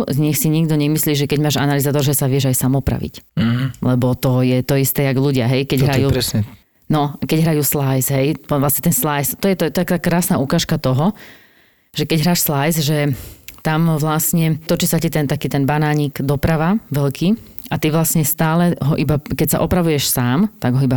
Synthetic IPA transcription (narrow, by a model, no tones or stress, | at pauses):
zɲɛxsiɲiɡd̪ɔɲɛmisliːʒɛkɛɟmaːʒa̰nalizaːt̪ɔɾʒɛsaʋɪɛʒajsamɔpɾa̰ʋḭc̩lɛbɔt̪ɔjɛt̪ɔist̪ɛːjaɡluɟɪa̰ɦɛjkɛɟɦɾajuːɾɛsɲɛ | nɔkɛɟɦɾajuːslajsɦɛjʋlasɲɛt̪ɛnslajst̪ɔjɛt̪aɛt̪akːakɾaːsnaːukaːʃkat̪ɔɦɔ | ʒ̥ɛkɛɟɦɾaːʃslajzʒɛt̪amʋlasɲɛt̪ɔt͡ʃisacit̪ɛnt̪akiːt̪ɛnbanaːɲiːɡd̪ɔpɾaʋaʋɛlkʰiː | at̪iʋlasɲɛst̪aːlɛɦɔʔibakɛcsa̰ʔɔpɾaʋujɛʃsaːmt̪aɡɦɔiba